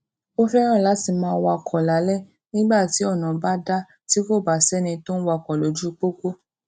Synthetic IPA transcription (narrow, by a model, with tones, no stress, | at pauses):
o˦fɛ˦ɾ̃ã˦˨la˨˦ti˧˨mãː˧˦˧wa˧kʰɔ˨la˨˦lɛ˦˨ | nĩ˦ɡ͡ba˦˨ti˨˦ɔ˦˨nã˨ba˦da˦ | ti˦ko˦˨ba˨sɛ˦nĩ˧to˦n̩˦wa˧˨kɔ˨lo˨d͡ʒu˦˧k͡po˦ko˦